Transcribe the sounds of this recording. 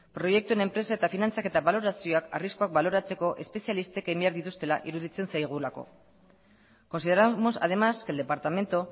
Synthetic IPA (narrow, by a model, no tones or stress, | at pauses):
pɾo̞je̞k̚t̪ue̞ne̞mpɾe̞sae̞t̪afinant͡sake̞t̪aβalo̞ɾasio̞aka̰risko̞ak̚balo̞ɾat͡se̞ko̞ʔe̞spe̞sialist̪e̞kajmbeaɾðit̪ust̪e̞la̰ʔiɾuðit͡se̞nsajɣ̞ulako̞̰ | ko̞nsið̞eɾamo̞sa̰ð̞e̞maske̞ld̪e̞paɾt̪ame̞nt̪o